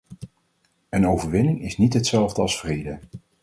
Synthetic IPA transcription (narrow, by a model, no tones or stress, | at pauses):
ənowvəɹʋɪnɪŋɪsnitɦətsɛlˠvdəɑlˠsfrejdə